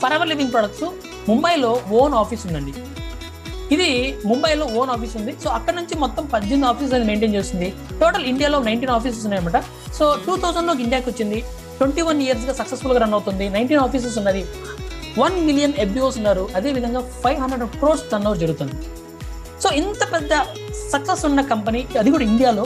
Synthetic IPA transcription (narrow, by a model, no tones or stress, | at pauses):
pɐɾɐʋɐɾliʋiŋpɾɔːɽɐksu | mumbɐjlo̞ːoːnaːpʰiːsund̪ɐɳɖi | id̪imumbɐjlo̞ːoːnaːpiːsund̪iso̞ːɐkːɐɽɐnuɲt͡ʃimɔt̪ːɐmpɐɲd͡ʒinaːpʰiːs̬lɐnime̞ːɳʈeːnt͡ʃeːstind̪i | ʈoːʈɐliɳɖijaːlo̞ːnɐjɳʈiːnaːpiːs̬ɐs̬unːaːjɐmɐːʈɐ | soːʈuːt̪ʰɐːwzɐnloːkiɳɖijaːkiot͡ʃːind̪i | ʈweɳʈiːʋɐnijɐɾs̬ɡaːsɐksesfulɡɐɾɐnːɐwt̪und̪inɐjɳʈiːnaːpiːs̬ɐs̬unːaːɾi | ʋɐnmilijɐnebioːsunːaːɾuʔɐd̪e̞ːʋid̪ʱɐŋɡaːpʰɐjʋɦɐnɖɾeɖkɾoːsdɐnːɐːd͡ʒɐɾuɡut̪und̪i | so̞ːint̪ɐpɛd̪ːɐ | sɐksesunːɐkɐmpɐniɐd̪ik̬uːɽɐiɳɖijaːlo̞ː